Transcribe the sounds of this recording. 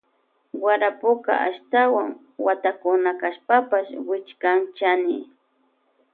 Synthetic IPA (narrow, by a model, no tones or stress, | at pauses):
waɾapʊka̰ʔa̰ʃt̪awaŋ | wat̪akʊnakaʃpapaʃwɪt͡ʃkant͡ʃanɪ